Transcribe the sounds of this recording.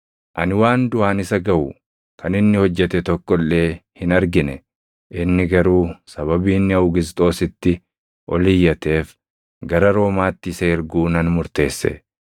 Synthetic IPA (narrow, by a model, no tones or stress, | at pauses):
ʔɐnɪwaːnd̪ʊaːnɪsɐɡɐʔʊ | kʰɐnɪnːɪhɔd͡ʒːɛt̪ɛt̪ɔkːɔlːe̞ːhɪnɐɾɡɪnɛ | ʔɪnːɪɡɐɾuːsɐβɐbiːnːɪɐʊɡɪzt̪ʼo̞ːsɪt̪ːɪ | ʔɔlɪjːɐt̪e̞ːf | ɡɐɾɐɾo̞ːmaːt̪ːɪseːɪɾɡuːnɐnmʊɾt̪e̞ːsːɛ̰